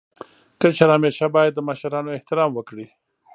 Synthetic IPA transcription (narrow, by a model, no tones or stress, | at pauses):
k̪ət͡ʃaɾɑːmeʃabɑːjad̪ːəmaʃaɾɑnoeht̪ɪɾɑːmwəkɽi